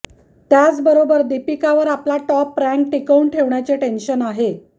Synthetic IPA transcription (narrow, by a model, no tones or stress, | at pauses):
t̪jat͡sbəɾobəɾd̪ipikaʋəɾaplaʈɔpːɾæ̃ŋk̚ʈikəuɳʈʰeʋɳjat͡seʈenɕənaɦe